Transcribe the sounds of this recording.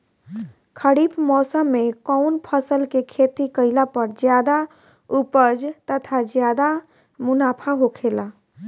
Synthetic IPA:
kʰəɽiːpmɔːsəmːẽkɔʊnpʰəsəlkekʰeːt̪ikəɪlapəɾd͡ʒjaːd̪a | upəd͡ʒt̪ət̪ʰad͡ʒjaːd̪a | mʊnaːpʰaɦokʰeːla

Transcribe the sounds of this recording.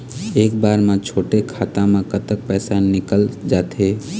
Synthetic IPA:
eːk̚baːɾmãt͡ʃʰoːʈekʰaːt̪ãmãkət̪ək̚pɛːsanɪkəld͡ʒaːt̪eː

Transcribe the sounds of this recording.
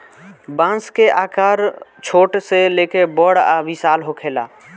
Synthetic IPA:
bãːnskeʔaːkaːɾt͡ʃʰoːʈselekebəɽabisaːlɦokʰeːla̰ː

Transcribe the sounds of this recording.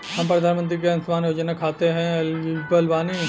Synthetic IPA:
hɐmpɾɐd̪ʱaːnmə̃nt̪̬ɾikeɐnʊsmaːnjoːd͡ʒənakʰaːt̪eɦɛ̃lbɐlʋaːni

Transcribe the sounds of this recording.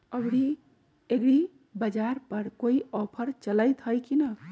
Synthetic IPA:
əbɽi | eɡɽi | bəd͡ʒaɾpəɾkoiɔpʰəɾt͡ʃələjt̪ɦəjkinə

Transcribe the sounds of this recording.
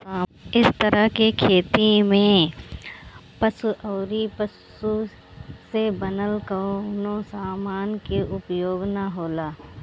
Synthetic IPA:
ɪst̪əɾəɦkekʰeːt̪imẽ | pɐsuʔəːɾipəs | u | sebənəlkəonõsaːmaːnkeʔʊpjoːɡnaɦoːlaː

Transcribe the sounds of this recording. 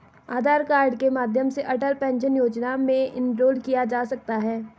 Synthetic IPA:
aːd̪ʱaːɾkaːɾɖkemaːd̪ʱjəmseʔɐʈəlpɛ̃ːnʃənjoːd͡ʒnamẽʔɪ̃nɾoːlkijad͡ʒaːsɐk̚t̪aɦɛː

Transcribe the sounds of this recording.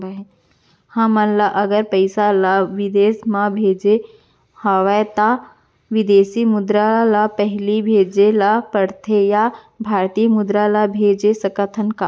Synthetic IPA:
ɦẽ | hãmənlaʔəɡəɾpəɪsalaʋɪd̪eːsmãbʱeːd͡ʒe | haʋet̪a | ʋɪd̪eːsimʊd̪ɾalapɛɦlibʱeːd͡ʒelapəɽt̪ʰeja | bʱaːɾt̪iːmʊd̪ɾalabʱeːd͡ʒesəkət̪ʰənka

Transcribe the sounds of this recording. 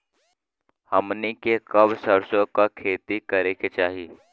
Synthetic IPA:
həmnikekɐbsəɾsõkakʰeːt̪ikɐɾeket͡ʃaːɦiː

